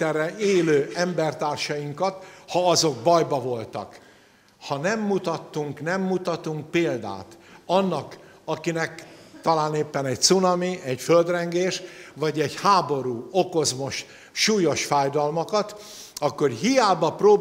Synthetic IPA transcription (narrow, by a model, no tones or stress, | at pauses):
ɛrːɛʔeːløːʔɛmbɛrt̪aːrʃɒjiŋkɒt̪hɒɒzo̞ɡbɒjbɒvo̞lt̪ɒ̰k | hɒnɛmːut̪ɒt̪ːuŋknɛmːut̪ɒt̪uŋk̚peːld̪a̰ːt̪ɒnːɒk | ɒkinɛkt̪ɒlaːneːpːɛnɛc̚t̪sunɒmiɛɟføld̪rɛŋɡeːʃvɒɟɛɟhaːbo̞ɾuːoko̞zmo̞ʃ | ʃuːjo̞ʃfaːjd̪ɒlmɒkɒt̪ | ɒkːo̞rɦijaːbɒproː